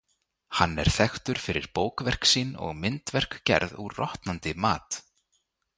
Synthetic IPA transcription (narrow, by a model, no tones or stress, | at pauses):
hanːɛ̰ɾ̥θɛxt̪ʏɾ̥fɪɾɪɾ̥poːwkvɛr̥ksiːnɔ̰ɣmɪnt̪vɛr̥kcɛ̰ɾðurɔht̪nant̪ɪmaːt̪